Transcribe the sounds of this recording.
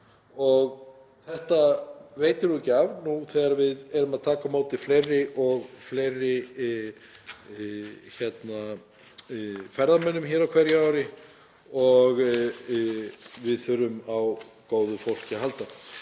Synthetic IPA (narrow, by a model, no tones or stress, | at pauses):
ɔɣ | θɛht̪aveːjt̪ɪɾuɛcːɪavnuθɛːɣaɾvɪðɛɾʏmaðt̪ʰaːkamaːwt̪ɪflejrːɪʔɔɣfleːjrːɪ | çɛt̪na | fɛɾðamɛnːʏmçɛːɾawkʰvɛɾjaːwɾɪ | ɔɣ | vɪðθʏɾʏmaw | koːwðʏfowl̥cɪɦalt̪a